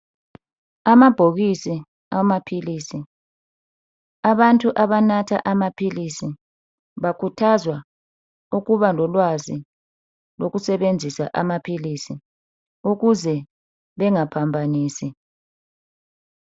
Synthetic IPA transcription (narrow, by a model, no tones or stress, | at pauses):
amab̥ʱoɣisi | amapʰiliːsi | aβantʼuʔaβanatʰa̰ʔamapʰilisi | βakʰutʰazwa | uɣuβalɔlwazi | loɣusɛβend͡zʱisaʔamapʰilisi | uɣuzɛ | βɛŋapʰambʱaniːsi